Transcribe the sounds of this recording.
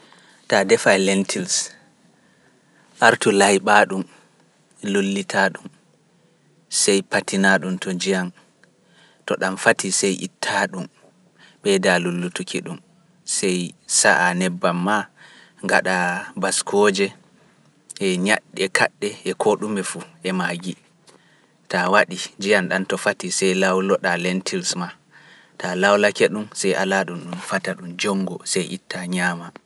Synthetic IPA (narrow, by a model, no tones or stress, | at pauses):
tadɛfalɛntʰils | ʔaɾtulajɓaɗum | lolːitʰaɗum | sɛjpatinaɗumtɔd͡ʒijan | tɔɗamfatʰisɛjʔḭtʰːaɗum | ɓɛdalulːutukʰiɗum | sɛjsaʔanɛbːamːa | ŋɡaɗabaskʰɔːd͡ʒɛ | ʔɛɲaɗːɛkʰa̰ɗːɛɛkʰoɗumɛfuʔɛmaɡi | tawaɗid͡ʒijanɗantɔfatisɛjlawlɔɗalɛntʰilsma | talawlakɛɗumsɛjʔa̰laɗumɗumfataɗumd͡ʒɔŋɡɔsɛjʔḭtːaɲaːma